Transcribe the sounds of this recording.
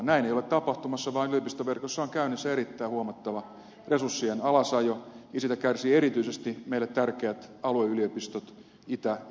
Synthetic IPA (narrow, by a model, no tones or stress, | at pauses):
næineijolet̪t̪ɑpɑht̪umɑsːɑʋɑːnylijopist̪oʋerkosːɑoŋkæynesːæeɾit̪ːæihuɑmɑt̪ːɑʋɑ | resursːienɑlɑsɑjojɑsit̪ækærsiːeɾit̪yisest̪imeilːet̪t̪ærkeæt̪ɑlueyliopist̪ot̪ | it̪æ